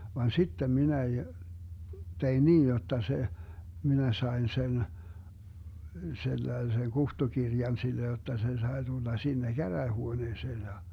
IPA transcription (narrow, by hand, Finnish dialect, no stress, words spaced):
ʋɑn sitːem minæ j tein niːj jotːɑ se minæ sɑen sen selːɑi̯seŋ kuhtukirjɑn silːe jotːɑ se sɑi̯ tulːɑ sinːe kæræːhuoneːseːn jɑ